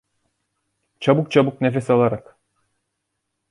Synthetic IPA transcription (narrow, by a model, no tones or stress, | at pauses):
t͡ʃʰabuk̚t͡ʃʰabuknefesalˠaɾak